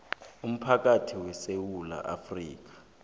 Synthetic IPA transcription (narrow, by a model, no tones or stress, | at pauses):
um̩pʰak̬ʼatʰiwɛsewula̰ʔa̰friːk̬ḁ